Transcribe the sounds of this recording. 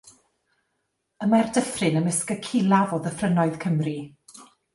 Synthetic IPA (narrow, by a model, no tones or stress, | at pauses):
əmardəfrɪnəməskəkʰɪlˠavɔðəfrənɔɨð̥kʰəmri